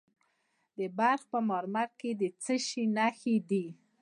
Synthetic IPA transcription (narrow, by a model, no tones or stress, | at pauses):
d̪əbaɾxpəmɑɾmaɾked̪ət͡səʃinaxid̪i